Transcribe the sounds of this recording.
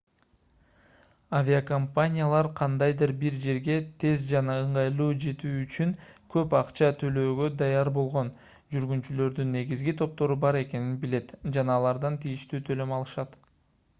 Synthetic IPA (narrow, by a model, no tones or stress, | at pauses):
avʲiakompanʲɪjalˠɑɾqʰɑnd̪ɑjd̪ɯɾbiɾd͡ʒe̞ɾɡe̞t̪ʰe̞zd͡ʒɑnɑɯɴʁɑjlˠuːd͡ʒe̞t̪yːyt͡ʃyŋkʰø̞pɑqt͡ʃɑt̪ʰø̞lø̞ːɡø̞d̪ɑjɑɾbo̞lˠʁo̞n | d͡ʒyɾɡynt̪t͡ʃylø̞ɾd̪ynːe̞ɡizɡit̪ʰo̞p̚t̪o̞ɾubɑɾe̞ke̞ninbile̞t̪d͡ʒɑnɑːlˠɑɾd̪ɑnt̪ʰijiʃt̪yːt̪ʰø̞lø̞mɑlˠɯʃɑt̪